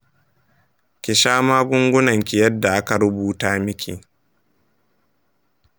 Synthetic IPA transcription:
kʲɪ˨ʃaː˦maː˦ɡʷʊ˦ŋɡʷʊ˦nɐ˨ŋkʲɪ˨jɐ˦dːa˨ʔa˦ka˨ɽʊ˦buː˦taː˦mɪ˦kʲʰḭ˨

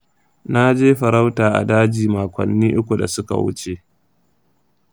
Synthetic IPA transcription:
na˦d͡ʒeː˦ɸɐ˨ɾa˦wtaː˨ʔa̰˨daː˦d͡ʒiː˨maː˨kʷɐ̰˨nːiː˦ʔʊ˦kʷu˨da̰˨sʊ˦ka̰˨wʊ̰˦t͡ʃe˨ʔ

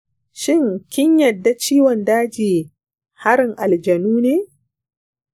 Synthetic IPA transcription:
ʃɪ˦˨ŋkʲɪ˦ɲjɐ˨dːa˨t͡ʃiː˦wɔ˨ndaː˦d͡ʒiː˨ | ha˦ɾɪ˨ŋʔa˨ld͡ʒɐ˨nuː˦neː˦

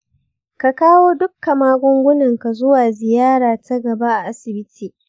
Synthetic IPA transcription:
ka˨kaː˦woː˦dʊ˦kːa˨maː˦ɡʷʊ˦ŋɡʷʊ˦nɐ˨ŋka˨zʊ˦waː˨zɪ˨jaː˦ɽaː˨tʰɐ˦ɡɐ˨ba˦ʔa˨ʔa˦sɪ˨bɪ˦tʰiː˨

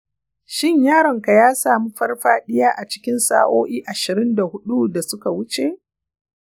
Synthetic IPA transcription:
ʃɪ˦˨ɲjaː˦ɾɐ˨ŋka˨jaː˦saː˨mi˦ɸɐ˦rɸaː˦ɗɪ˦jaː˦ʔa˨t͡ʃɪ̥˦kʲɪ˦nsa̰ː˨ʔoː˦ʔiː˦ʔa˨ʃɪ˨ɾɪ˦nda˨hʊ˦ɗu˦da˨sʊ˦ka˨wʊ˦t͡ʃe˨ʔ

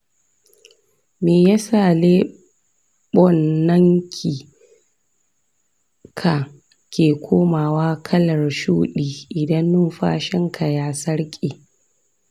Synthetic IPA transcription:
meː˨ja˦saː˨leː˦ | ɓɔ˦nːɐ˦ŋkʲʰiː˨ | kʰa˨ | kʲeː˨kʷʰoː˦maː˨waː˦kʰɐ˦lɐ˨rʃuː˦ɗiː˦ʔɪ˨dɐ˦nːʊ˦nɸa̰ː˦ʃɪ˦ŋkʰa˨jaː˦sɐ˦ɽkʲʼiː˨

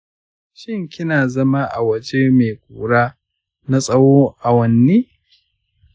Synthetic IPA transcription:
ʃɪ˦ŋkʲɪ˦naː˨zɐ˦ma˦ʔa̰˨wɐ˨d͡ʒeː˦meː˨kʷʼṵː˨ɽaː˦ | na˦sʼɐ˦woː˦ʔa˨wɐ˨nːiː˦

